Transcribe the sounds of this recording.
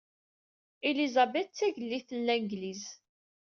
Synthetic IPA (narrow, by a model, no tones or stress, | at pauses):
ilizæbɛt̪t͡sːæʝəlːiθəlːænɡliz